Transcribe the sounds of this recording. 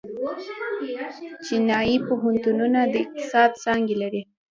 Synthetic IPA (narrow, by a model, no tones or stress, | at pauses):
t͡ʃinɑjipoɦant̪ununad̪əɪq̚t̪ɪ̥sɑd̪̚t͡sɑŋɡelaɾi